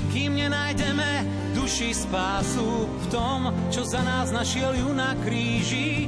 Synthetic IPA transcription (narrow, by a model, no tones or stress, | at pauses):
kiːmɲɛnajɟɛmɛ | d̪uʃispaːsuft̪ɔm | t͡ʃɔzanaːznaʃɪɛljunakɾiːʒi